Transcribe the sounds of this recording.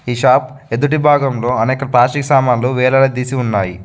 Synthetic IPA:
iːʃaːp | ed̪uʈ̬ibʱaːɡɐmlo̞ːɐnɛːkɐpɾaːʃiksaːmaːnluʋɛːlɐɽɐd̪iːsiunːaːji

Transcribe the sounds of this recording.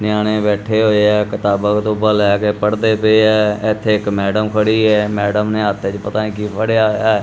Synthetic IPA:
nɪjaːɽ̃eːbɛːʈʰeːɦoːeɛːkɪt̪aːbəkt̪õːbəlakeːpəɽd̪eːpəiɛːɪt̪ʰːeːɪkmɛːɖəmkʰəɽiːɦɛːmɛːɖəmneːət̪ʰːet͡ʃpət̪aːnĩːkiːpʰəɽjaːjaːɛː

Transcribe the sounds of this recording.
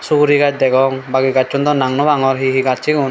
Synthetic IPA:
suɾiɡat͡ʃ̚d̪ɛɡɔŋbaɡiɡat͡ʃt͡ʃund̪ɔnaŋnɔbaŋɔɾɦiɦiɡaiɡun

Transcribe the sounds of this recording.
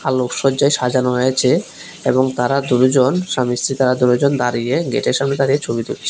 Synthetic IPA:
alokʃɔd͡ʑajʃad͡ʑanoɦoet͡ɕʰe | eboŋt̪aɾad̪unud͡ʑonʃamist̪ɾit̪aɾad̪unud͡ʑond̪aɾieɡḛʈeɾʃamned̪aɾiet͡ɕʰobid̪ult͡ɕʰe̥

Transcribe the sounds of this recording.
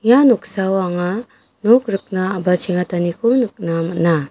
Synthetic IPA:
januk̚sawaŋa | nɔk̚ɾɯk̚naːbat͡ʃʰiŋatanikʰunɯk̚namana

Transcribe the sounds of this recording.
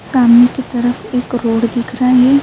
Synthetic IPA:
saːmnekit̪əɾəfʰekɾoːɽd̪ɪkʰɾaːɦeː

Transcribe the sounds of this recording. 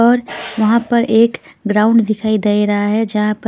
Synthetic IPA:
ɔːɾʋɐɦãpəɾʔeːkɡɾaːʊ̃ɳɖd̪ɪkʰaːid̪eiɾɐɦaɦɛd͡ʒɐɦãpə

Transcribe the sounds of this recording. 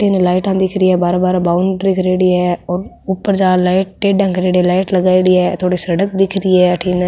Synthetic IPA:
ʈʰiːnɛlaːɪʈãːd̪ɪkʰɾɪːɛːbaːɾbaːɾbaːʊɳɖɾikʰɾeːɽiːɛːɔːɾ | ʊpːəɾd͡ʒaːlaːɪʈ̚ːeːɖãːkɾeːɽilaːɪʈləɡaːiɽiːɛːt̪ʰoːɽiːsəɽək̚d̪ɪkʰɾiɛːʈʰiːnɛ

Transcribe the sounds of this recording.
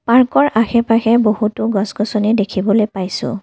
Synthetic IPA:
paɹkɔɹʔaxɛpaxɛbohutʊɡɔsɡɔsɔnidekʰibɔlojpajsʊ̰̃

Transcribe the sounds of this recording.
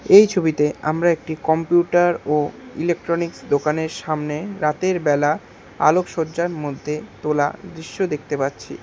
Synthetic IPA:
ejt͡ɕʰobit̪ea̰mɾaek̚ʈikɔmpjuʈaɾoilek̚ʈɾoniksd̪okaneɾʃamneɾat̪eɾbɛla | a̰lokʃoɾd͡ʑaɾmod̪ʱːet̪ola̰d̪ɾiʃːod̪ek̚ʰt̪epatːɕʰḭ

